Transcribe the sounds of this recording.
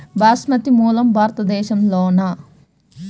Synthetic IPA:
baːsmɐt̪imuːlɐmbʱaːɾɐt̪ɐd̪ɛːʃɐmloːnɐ

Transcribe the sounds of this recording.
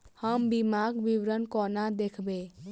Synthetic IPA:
həmbimaɡbiwɾənkɔnad̪ekʰbe

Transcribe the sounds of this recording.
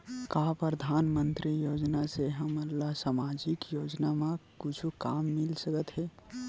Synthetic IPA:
kaːpɾəd̪ʱaːnmənt̪ɾijoːd͡ʒnaseɦəməlːasamaːd͡ʒikjoːd͡ʒnamãkʊt͡ʃʰukaːmːɪlsəkət̪ɦɛː

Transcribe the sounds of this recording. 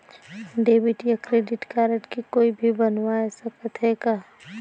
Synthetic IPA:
ɖeːbɪʈjakɾeːɖɪʈkaːɾəʈkikoːibʱibɐnwaesɐkət̪ɦɛkaː

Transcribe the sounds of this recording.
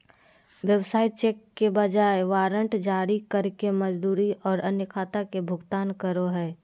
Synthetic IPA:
ʋjəwsaːit͡ʃeːkːebɐd͡ʒaːeʋaːɾə̃ɳʈd͡ʒaːɾikɐɾkemɐd͡ʒd̪uːɾiʔɔːɾɐnjəkʰaːt̪akebʱʊɡt̪aːnkəɾoɦɛː

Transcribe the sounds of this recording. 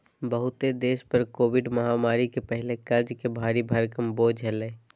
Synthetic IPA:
bəɦʊt̪ed̪eːʃpəɾkoːʋɪɖmɐɦamaːɾikepɛɦɪlekɐɾd͡ʒkebʱaːɾibʱəɾkəmboːd͡ʒɦɛleː

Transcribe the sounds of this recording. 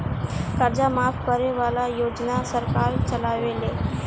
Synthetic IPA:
kaɾd͡ʑamafkəɾeʋalajod͡ʒnasəɾkaɾt͡ɕəlaʋele

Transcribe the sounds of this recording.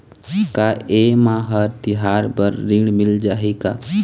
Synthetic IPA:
kaemãːɦəɾt̪ɪɦaːɾbəɾːiɳmɪld͡ʒaːɦikaː

